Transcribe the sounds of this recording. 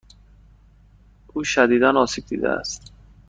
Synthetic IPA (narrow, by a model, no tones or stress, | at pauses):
ʔuːʃæd̪iːd̪ænɒːsiːb̚d̪ḭːd̪ḛæ̰st̪